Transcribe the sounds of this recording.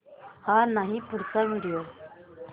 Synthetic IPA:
haːnaːɦĩpʊɾsəmɪɾijoː

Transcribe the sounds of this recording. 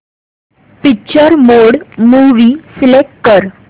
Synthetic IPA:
pikːt͡ɕəɾmoɽmuʋiːsilek̚ʈːəɾ

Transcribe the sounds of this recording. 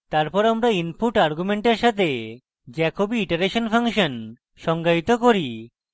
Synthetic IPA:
t̪aɾpɔɾamɾainpuʈaɾɡumeɳʈeɾʃat̪ʰe | d͡ʑɛkobiiʈeɾeʃonfʰaŋʃon | ʃɔŋɡait̪okoɾi

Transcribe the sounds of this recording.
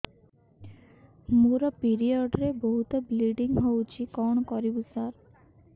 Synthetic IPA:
moɾɔpiɾiɔɖɾeboɦut̪ɔbliɖiŋɦowt͡ʃʰikɔɳ̃ɔkɔɾibusaɾ

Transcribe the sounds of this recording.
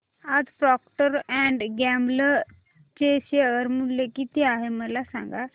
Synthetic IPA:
əd̪pɾɔːkʈəɾɛ̃ːɳɖɡɛ̃ːmblə | t͡ʃeːseəɾmʊlːekit̪eaːɦeməlaːsã̰ːŋɡaː

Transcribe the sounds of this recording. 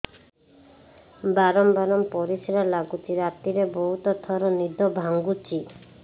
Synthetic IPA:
baɾɔmbaɾɔmpɔɾisiɾalaɡut͡ʃiɾat̪iɾeboɦut̪ɔt̪ʰɔɾɔnid̪ɔbʱaŋɡut͡ʃi

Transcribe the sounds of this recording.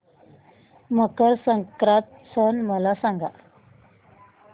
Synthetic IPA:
məkəɾsəŋkɾat̪ | sənməlasãŋɡa̰

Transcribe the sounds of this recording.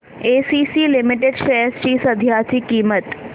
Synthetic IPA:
eːsiːsiːlɪmɪʈeɖʃejəst͡ʃiːsɐd̪ʱjaːt̪ikiːmət̪

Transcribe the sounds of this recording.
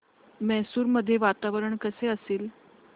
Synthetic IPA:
mɛɦsuːɾməd̪ʱːjeʋat̪aʋəɾəɳkəseəseːl

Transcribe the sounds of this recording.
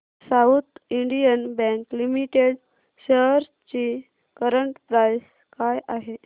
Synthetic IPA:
saut̪iɳɖijənbɛ̃ŋklimiʈeɽ | ɕeɦɾ | t͡ɕi | kəɾəɳʈpɾajs | kajʔaɦe

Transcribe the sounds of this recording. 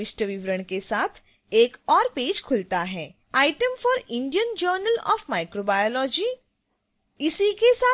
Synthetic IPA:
ɪʃʈəʋiʋɾəɽ̃kesaːt̪ʰ | eːkɔːɾpeːd͡ʒkʰʊlt̪aɦɛː | aːɪʈəmfɔːɾɪ̃ɳɖijənd͡ʒəːɾnəlɔ̰ːfmaːɪkɾobaːjolɔːd͡ʒiː | ɪsikesaː

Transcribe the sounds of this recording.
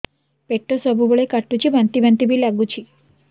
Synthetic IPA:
peʈːəsəbʱubəɭekaʈːut͡ɕiːbʱãnt̪ibʱãnt̪ibʱiːlaɡut͡ɕiː

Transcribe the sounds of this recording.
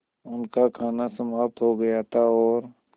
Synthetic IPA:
ʊnkakʰaːnasɐmaːp̚t̪ɦoɡɐjat̪ʰaɔːɾ

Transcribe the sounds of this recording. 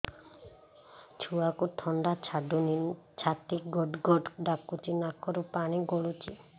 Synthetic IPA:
t͡ʃʰuakuʈʰɔɳɖat͡ʃʰaɖunit͡ʃʰat̪iɡɔɖɡɔɖɖakːut͡ʃinakːɔɾupaɽ̃iɡɔɭut͡ʃi

